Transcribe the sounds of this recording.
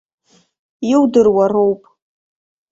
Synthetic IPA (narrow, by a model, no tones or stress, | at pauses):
iwdɨrwaro̞wpʼ